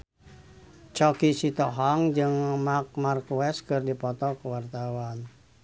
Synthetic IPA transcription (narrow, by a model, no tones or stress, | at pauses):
t͡ʃɔkisit̪ɔɦɔŋd͡ʒɨŋmak̚markuɛskɨrdipɔt̪ɔkuwart̪awan